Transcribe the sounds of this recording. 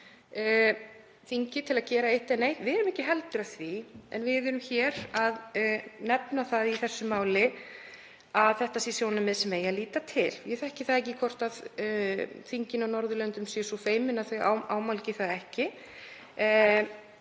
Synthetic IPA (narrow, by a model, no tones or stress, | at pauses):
θiɲcɪt̪ʰɪlaðcɛːɾaejht̪ɛnejh̪vɪɛɾʏmɛhcɪɦɛlt̪ʏɾaθviɛ̰nvɪððʏɾʏmçɛɾaðnɛpnaθaðiθɛsːʏmaːwlɪ | aðθɛht̪asisjoːwnʏmɛðsɛmeːjaliːt̪at̪ʰɪljɛθɛhcɪθaðɛc̬ɪkʰɔr̥t̪að | θiɲcɪnanɔɾðʏlœnt̪ʏmsɛsɔfeːjmɪnaθœɥa̰waːwmawlcɪθaðɛhcɪ